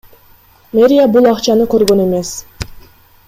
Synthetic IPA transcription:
mʲeɾʲijabulˠɑqt͡ʃɑnɯkø̞ɾɡø̞ne̞me̞s

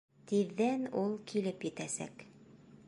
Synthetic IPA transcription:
t̪iðːænulˠkilɘpjɘ̆t̪æsæ̰k

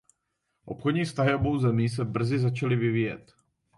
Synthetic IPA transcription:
ʔo̞pxodɲiːfst̪aɦɪʔo̞bo̞wzɛmiːs̬ɛbr̩zɪzat͡ʃalɪvɪviːjɛ̰t̪

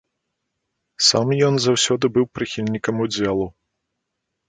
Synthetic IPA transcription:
samjɔnzawsʲɔd̪ɨbɨwpɾɨxʲilʲnʲikɐmud͡zʲɛlˠu

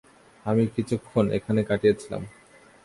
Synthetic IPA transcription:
amikit͡ɕʰukʰːonḛkʰanekaʈijet͡ɕʰila̰m

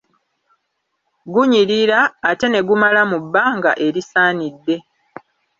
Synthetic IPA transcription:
ɡuɲiɾiɾaːte̞ne̞ɡumalamubːaːŋɡa̰ʔe̞ɾisaːnidːe̞

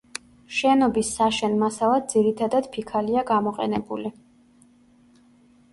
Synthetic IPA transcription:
ʃɛnɔbisːaʃɛnmasalˠad̪̚d̪ziɾit̪ʰad̪ad̪̥pʰikʰaliaɡamɔqʼɛ̰nɛbṵli

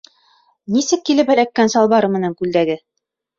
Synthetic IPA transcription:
nisɘkːilɘpælækːænsɑlˠβɑɾɤmɘ̆næŋkʉld̪æɡɘ

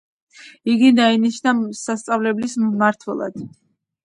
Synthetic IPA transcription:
iɡid̪ainiʃnasast̪sʼavlɛblismaɾt̪ʰwɛ̰lˠa̰d̪̥

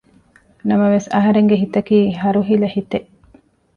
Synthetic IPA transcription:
nɐmɐʋesɐɦɐɾeŋɡeɦit̪ɐkiːɦɐɾuɦilɐhit̪eʔ

